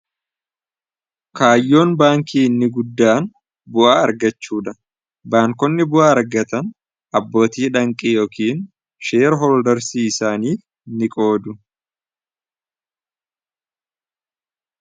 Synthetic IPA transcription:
kaːjːo̞ːnbaːŋkiːnːɪɡʊd̪ːaːn | bʊʔaːɐɾɡɐt͡ʃːuːᶑɐ | baːŋkɔnːɪbʊʔaːɐɾɡɐt̪ɐn | ʔɐbːo̞ːt̪iːᶑɐŋkʼiːjo̞ːkiːn | ʃeːɾɦɔld̪ɐɾsiːɪsaːniː | nːɪkʼo̞ːd̪ʊ

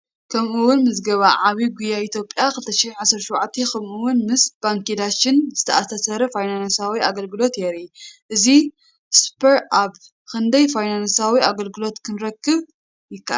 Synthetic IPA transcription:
kʰɐmʔuwʊnmɨzɡɐβaʕaβiɡujait̪ʰjo̞pʼjakɨlɨt̪ʰɐʃɪħnʕasɐɾʃwʕat̪ʰːekʰɐmʔuwʊnmɨsb̥aŋkid̪at͡ʃːɪnz̥ɨt̪ʰɐʔat̪ʰɐsɐɾɐfajnansawiaɡɐlɡɨlo̞t̪jɛɾiʔɨzi | spʰɐɾab | kʰɨnd̪ɐjfajnansawiaɡɐlɡɨlo̞t̪kʰɨnɾɐkʰːɨβ | jɪkːa̰ʔ

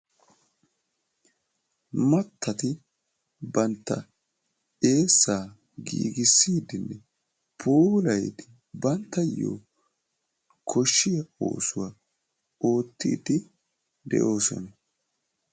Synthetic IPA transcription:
mɐt̪ːɐt̪ɪ | bɐnt̪ːɐ | e̞ːsːaː | ɡḭːɡɪsːiːd̪ɪnːɛ | pʰoːlɐjd̪ɪ | bɐnt̪ːɐjo̰ː | kʰɔʃːɪjɐo̰ːsʊwa | o̞ːt̪ːḭːd̪ɪ | d̪ɛ̰ʔo̞ːsɔ̰nɐ

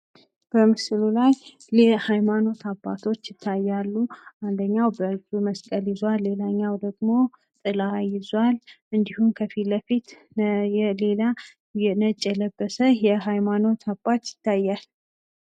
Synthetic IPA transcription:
b̥əmɨslulaj | lɛhajmano̞t̪ʰabːa̰t̪ʰo̞t͡ʃːjɪt̪ʰːajːalːuʔand̪əɲːawbəɨuməskʼəljɪzwalːe̞laɲːawd̪əɡmo̞ | t̪ʼɨlajɪzwal | ɨnd̪ihumkʰəfiləfit̪ | ɛle̞la | ɛnət͡ʃʼːɛləbːəsəjɛɦajmano̞t̪ʰabːat̪jɪt̪ʰːajːal

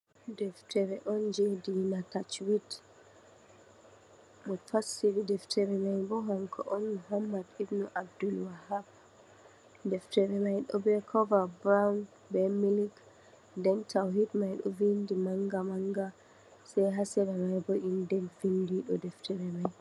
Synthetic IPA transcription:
dɛftɛɾɛʔɔnd͡ʒɛdinatat͡ʃwit | mɔfasiɾidɛftʰɛɾɛmajbɔɦaŋkʰɔ̰ʔɔnmuɦamːadibnuʔab̚dulwahab | dɛftɛɾɛmajɗɔbɛkʰɔvabɾawn | bɛmilik | dɛntʰawɦitmajɗɔ̰vindimaŋɡamaŋɡa | sɛjɦasɛɾɛmajbɔʔindɛnfindiɗɔdɛftʰɛɾɛmaj

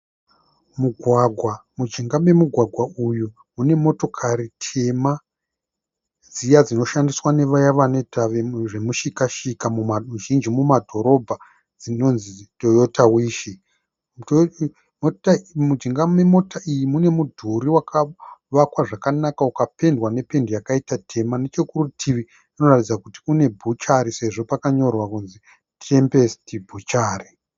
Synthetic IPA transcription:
muɡʱwaɡʱwamud͡ʒiŋɡame̞muɡʱwaɡʱwauju | mune̞mo̞to̞kʰaɾitʰe̞ma | d͡zijad͡zino̞ʃandiswane̞ʋajaʋane̞taʋeʐe̞muʃikaʃikamumamuʒind͡ʒimumadʱo̞ɾo̞bʱa | d͡zino̞nzito̞jo̞tawiːʃi | motamud͡ʒiŋɡamemo̞taijimune̞mudʱuɾiwakʰaʋakwaʐakanakaukape̞ndwane̞pe̞ndjakaitatʰe̞manet͡ʃekurutʰiʋi | ino̞ratid͡zakuti̥kune̞bʱut͡ʃaɾise̞ʐo̞pakaɲo̞rwakunzi | te̞mpe̞stibʱut͡ʃaːri

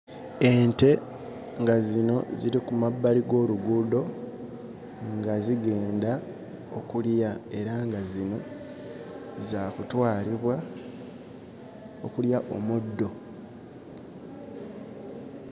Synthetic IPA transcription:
e̞nte̞ | ŋɡazino̞ziɾikumabːaliɡo̞ːluɡudo̞ | ŋɡaziɡe̞ːnda | okuljae̞ɾaŋɡazino̞ | zakutwaːliβwa | okuljaʔo̞mudːo̞

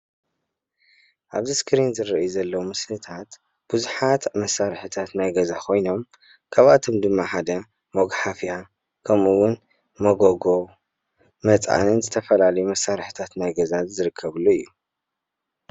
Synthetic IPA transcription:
ʔaβziskɾinzɨɾiʔjuzɐlːɐwumɨslɨt̪ʰat̪ | b̥ɨzuħat̪mɐsːaɾħɨt̪ʰat̪najɡɐzakʰo̞jno̞m | kʰaβat̪ʰo̞md̪ɨmːaħad̪ɐ | moɡħafja | kʰɐmuwʊn | mɐɡoɡo | mɐt͡sʼa̰nɨnzɨt̪ʰɐfɐlalɐjumɐsːaɾħɨt̪ʰat̪najɡɐzazɨɾɨkʰːɐβuluɨjːu

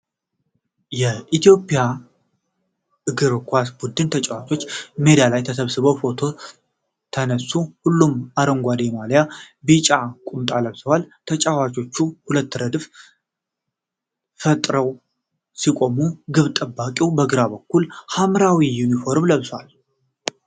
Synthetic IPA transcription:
jɛʔit̪ʰjo̞pʼja | ɨɡɨɾkʰʷasbud̪ɨnt̪ʰət͡ʃʼawat͡ʃʼo̞t͡ʃːme̞d̪alajt̪ʰəsəβsɨβəwfo̞t̪ʰo̞ | t̪ʰənəsːuhulːumaɾəŋɡʷad̪emalja | bit͡ʃʼakʷʼumt̪ʼaləβsəwalt̪ʰət͡ʃʼawat͡ʃʼo̞t͡ʃːuhulət̪ːɨɾəd̪ɨf | fət̪ʼɾəw | sikʷʼo̞muɡɨβt̪ʼəbːakʼiwbəɡɨɾabəkːulhamɾawijunifo̞ɾmləβswal

